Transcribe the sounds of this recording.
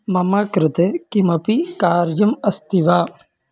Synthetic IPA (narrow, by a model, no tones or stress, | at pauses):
mɐmaːkɾɪt̪ekimɐpikaːɾjɐmɐst̪iʋaː